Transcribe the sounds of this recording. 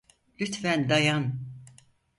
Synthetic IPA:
lʲyt̪fænd̪ajan

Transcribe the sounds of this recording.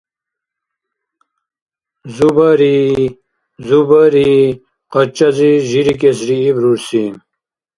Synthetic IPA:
zubɐɾi | zubɐɾi | qɐt͡ɕɐziʑiɾik̬esɾiːbɾuɾsi

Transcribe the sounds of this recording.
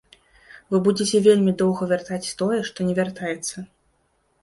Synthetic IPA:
vɨbud͡zʲet͡sʲɛvʲelʲmʲid̪ɔwɣɐvʲart̪at͡sʲst̪ɔjɛʂt̪ɔnʲɛvʲart̪ajɛt̪sːɐ

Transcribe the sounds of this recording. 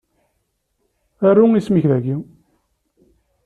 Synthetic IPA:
arːuismiçðæɡi

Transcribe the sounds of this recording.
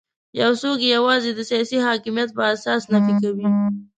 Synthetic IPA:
jawsokejawɑzed̪əsijɑsiɦɑkɪmijat̪̚pəasɑsnafikawi

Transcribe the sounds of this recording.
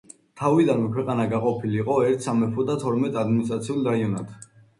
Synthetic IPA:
t̪ʰavid̪anmɛkʰwɛqʼanaɡaqʼɔpʰiliːqʼɔɛɾt̪ʰsamɛpʰɔd̪at̪ʰɔɾmɛt̪ʼad̪minist̪ʼɾat̪sʰiulˠɾaiɔnad̪̥

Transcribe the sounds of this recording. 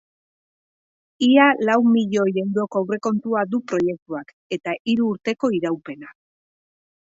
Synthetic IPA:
ialawmiʎo̞je̞wɾo̞koawre̞ko̞nt̪uad̪upɾo̞je̞k̚t̪uak | e̞t̪aʔiɾuːɾt̪e̞ko̞iɾawpe̞na

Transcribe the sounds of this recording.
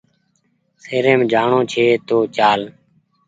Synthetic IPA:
seːɾẽːmd͡ʒʱaːɳõːt͡ʃʰeːt̪oːt͡ʃaːl

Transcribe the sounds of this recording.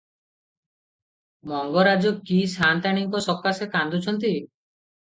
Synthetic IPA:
mɔŋɡɔɾad͡ʒɔkisant̪aɽ̃iŋkɔsɔkːasekand̪ut͡ʃʰɔnt̪i

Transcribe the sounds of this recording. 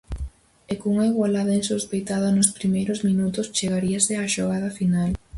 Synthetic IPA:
ekouŋaiɣwalaðainsospejt̪aðanʊspɾimejɾozmĩnut̪ost͡ʃeɣaɾiaseaʃoɣ̞að̞ɐfinal

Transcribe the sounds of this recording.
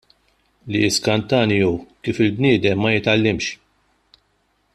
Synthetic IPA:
liɪskɐnt̪ɐːnijukiːfɪlbniːd̪ɛmːɐjɪt̪ɐlːɪmʃ

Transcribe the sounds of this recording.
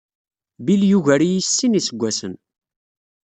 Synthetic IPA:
biljuʝæɾijisːinisəɡʷːæsən

